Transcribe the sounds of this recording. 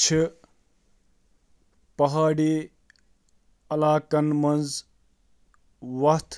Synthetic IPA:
t͡ʃʰi | pɐɦaːɽi | ɐlaːkɐnmɐnd͡z | wɐt̪ʰ

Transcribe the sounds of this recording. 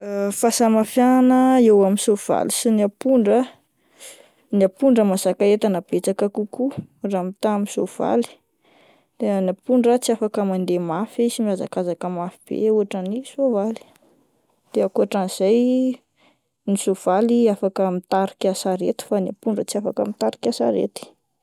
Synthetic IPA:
fasamafjaanəewaminsov̥a̰lisiniapuɳɖ͡ʐə | niapuɳɖ͡ʐəmasakaet̪anəb̥et͡sakakukuramit̪amisov̥a̰li̥ | d̪̥eanapuɳɖ͡ʐət͡siafakəmand̪emafisimiaza̰kazakəmafib̥ḛuaʈ͡ʂanisovali̥ | d̪̥eakuaʈ͡ʂaniz̥aj | nisov̥aliafakəmit̪aɾikʲasaɾet̪u̥faniapuɳɖ͡ʐət͡siafaka̰mit̪aɾi̥kʲasa̰ɾḛt̪i̥

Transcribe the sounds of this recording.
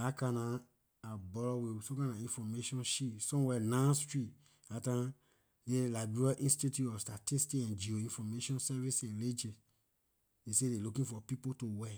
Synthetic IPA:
akãnaː | bɔlɔwisõkãnaĩnfɔmeʃɔ̃nʃisɔ̃mwɛnãstɹi | atã | delabeaʔĩnstitjuɔfstatistikɛ̃nd͡ʒioĩnfɔmeʃɔ̃nsɛvisɛ̃nled͡ʒe | desedelukĩfɔpipotowɛ

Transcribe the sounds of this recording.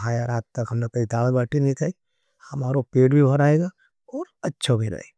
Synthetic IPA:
aːjaɾaːt̪t̪ɐkɦɐmnakɐid̪aːlbaːʈʰinɐɦĩt̪ʰai | hɐmaːɾopeːʈbʱibʱɐɾaːeːɡaː | ɔːɾɐtːʃʰabʱiɾɐ̰ːḛ

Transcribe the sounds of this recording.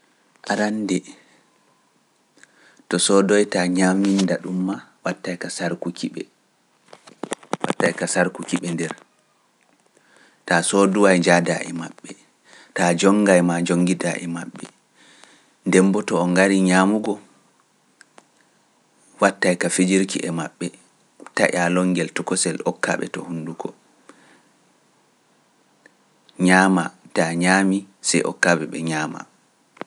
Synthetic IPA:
ʔaɾandɛ | tɔsɔdɔjtaɲamindaɗumːawatːajkasaɾkukʰiɓɛ̰ | wa̰tːajkasaɾkukiɓɛndɛɾ | tasɔduwajd͡ʒada̰ʔɛ̰ma̰ɓːɛ | tad͡ʒɔŋɡajmad͡ʒoŋɡidaʔɛ̰maɓːɛ̰ | ndɛmbɔtɔːŋɡaɾiɲamuɡɔ | watːajkafed͡ʒiɾkiʔɛmaɓːɛ | ta̰ʔalɔŋɡɛltɔkɔsɛlɔkːa̰ɓɛ̰tɔ̰hunduɡɔ | ɲamataɲaːmi | sɛjʔɔ̰kːabɛɓɛ̰ɲaːma̰

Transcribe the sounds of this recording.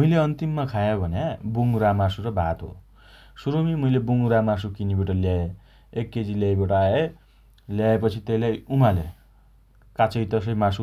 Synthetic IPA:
muileʌnt̪imːakʰajobʱʌnabuŋɾamasuɾʌbʱat̪ɦo̰ | suɾomimuilebuŋɾamas̬ukinibiʈʌljae | ekːet͡siljajbʌʈaae | ljaepʌt͡sʰit̪eilajumale | kat͡sʌjt̪ʌsʌjmasu

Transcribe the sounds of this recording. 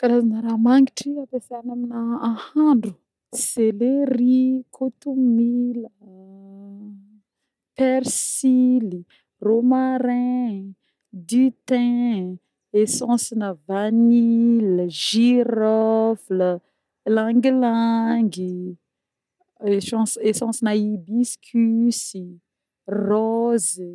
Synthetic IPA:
kaɾazanəɾamaŋɡiʈ͡ʂiapesanaminəãhãɳɖ͡ʐu̥ | selerikʰot̪umilə | pɛɾsili | romaɾɛ̃ | d̪it̪ɛ̃ | esɑ̃sinəvaniləʒiɾɔflə | lãŋɡilaŋɡi | esɑ̃sesɑ̃sinaibiskʲʰysi | rɔz

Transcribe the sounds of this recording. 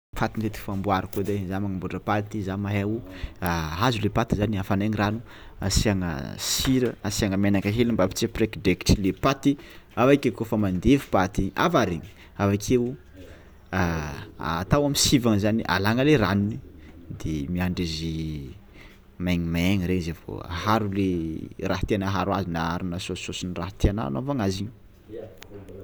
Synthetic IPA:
fat̪int̪et̪i̥fambuaɾakod̪ezamaŋəmbuɖ͡ʐəpat̪izamaɦewuaazulepat̪izaniafanaŋiranu | a̰siaŋə̰siɾəasiaŋəmanakaɦelimbapi̥t͡siprekdeki̥ʈ͡ʂilepat̪iavakʲekofamand̪efu̥pat̪iʔa̰vaɾeɲi̥ | avakʰewu | aat̪awamisivaŋzaniʔa̰laŋəleraninid̪emiaɳɖ͡ʐizi | majɲimeŋiɾeɲzevo̰a̰ɦaɾuleraɦə̥t̪anaɦaɾuazinaaɾinəsososiniraɦət̪eana̰novaŋaziɲ

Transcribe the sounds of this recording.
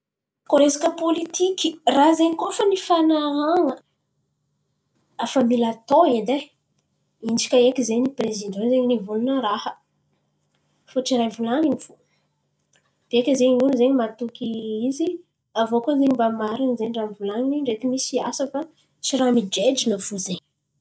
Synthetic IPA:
koɾezakəpolit̪ʰikʲirazeɲikofənifanaaŋə | afəmilat̪oed̪e | ind͡ʒi̥kʲəekʲizeniprezid̪ɔ̃zeɲinivulunəɾahə | foʈ͡ʂiɾajvulaŋinifu | d̪̥eekʲəzeɲiuluzeɲimat̪ukʲiizi | avokonzeɲimbamaɾanizeɳɖ͡ʐamvulaŋiniɳɖ͡ʐet̪imisiasəfa | t͡ʃiɾamid͡ʒed͡ʒinəv̥uzeɲ

